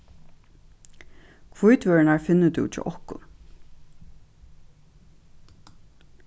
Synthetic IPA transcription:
kʰvujt̪ʰvœːɹɪnaɹfɪnːət̪ṵt͡ʃɔ̰ʔɔhkʊ̰n

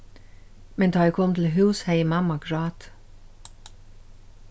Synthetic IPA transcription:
mɛnt̪ʰɑːɛkʰɔmt̪ʰl̩ɦʉːshæɪmɑmɑɡɹɑːt̪

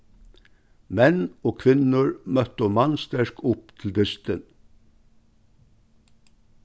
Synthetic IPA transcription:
mɛnoːkʰʋɪnʊɹmœt̪omɑnst̪æʃkʰʊpt̪ʰl̩d̪ɪst̪ən

